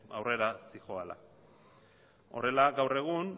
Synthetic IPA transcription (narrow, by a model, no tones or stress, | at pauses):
awre̞ɾasixo̞ala̰ | o̰re̞laɡawre̞ɣ̞un